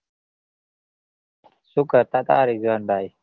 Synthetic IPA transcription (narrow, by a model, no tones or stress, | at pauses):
sukaɾt̪at̪aːɾizwaːnbaːj